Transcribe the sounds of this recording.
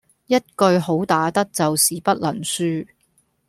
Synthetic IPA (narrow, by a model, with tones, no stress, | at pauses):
jɐ˥t̚kɵ˧ɥɦo˨˥wt̪aː˨˥t̪ɐ˥k̚t͡sɐ˨wsiː˨pɐ˥t̚lɐ˨˩nsyː˥